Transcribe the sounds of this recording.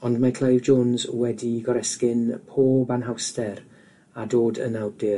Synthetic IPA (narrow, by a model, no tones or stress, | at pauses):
ɔndmakʰlˠejvd͡ʒoːnzwɛdiɡɔɾɛskɪnpʰoːbanɦawstɛɾ | adoːdə̰nawdɪ